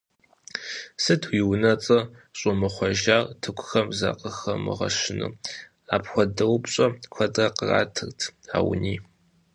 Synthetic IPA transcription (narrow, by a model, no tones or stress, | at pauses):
sɨtʰwiwnɐt͡sʼɐ | ɕʼʊmɨχʷɔʒaːrtʰɨkʷʰʊxɐmza̰qʼəxɐmɨ̰ʁɐ̰ʃɪnɨ̰ | aːpxʷɔdɨwʊpɕʼɐkʷʰɐdrɐqəra̰ːtʰɨrtʰa̰ːw̰niː